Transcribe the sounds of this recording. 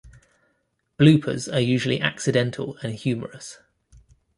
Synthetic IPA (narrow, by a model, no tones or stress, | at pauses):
b̥lʉˑpʰə̰zəjʉːʒəliʔa̰ksɪdɛ̃ntʰə̰lə̃nhjʉːmə̰ɹəs